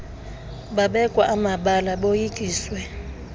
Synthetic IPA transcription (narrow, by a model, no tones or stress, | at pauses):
ɓaɓɛkʼwaʔamaɓalaɓojikʼiːswɛ